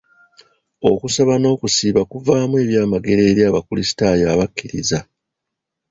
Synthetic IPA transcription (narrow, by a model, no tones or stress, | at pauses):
o̞kusaβano̞ːkusiːβakuvaːmwe̞ːβjaːmaɡe̞ɾe̞ːɾjaːβakulisi̥tajaːβakːiɾiza